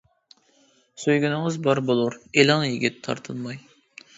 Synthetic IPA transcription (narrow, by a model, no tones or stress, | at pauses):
søjɡʲynɨŋəzbɑɾbolˠuɾelɑnjiɡʲit̪ʰːɑ̰ɾt̪ʰɨlˠmɑj